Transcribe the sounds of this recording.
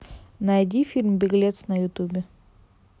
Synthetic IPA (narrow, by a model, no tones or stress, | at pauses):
nɐjdʲifʲilʲmbʲɪɡlʲet̪snɐjʊt̪ubʲɪ